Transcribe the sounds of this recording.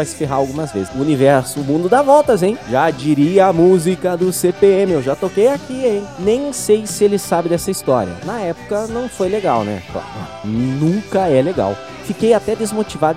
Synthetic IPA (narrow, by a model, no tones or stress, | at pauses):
vajsɪ̥feɦaawɡũmɐzvḛzɪʊunivɛɾsʊʊmũd̪ʊd̪avɔwt̪ɐzẽj̃ʒad͡ʒiɾiɐamuzikɐd̪ʊsepeẽmɪewʒat̪okejakiẽj̃nẽj̃sejsɪelɪsabɪd̪ɛsɐist̪ɔ̰ɾiɐ̰nɐɛpʊ̥kɐnɐ̃w̃fojleɡawnɛ̰kla̰ɾʊ̰ | nũŋkɐɛleɡa̰w | fikejat̪ɛd̪ezmot͡ʃivad̪ʊ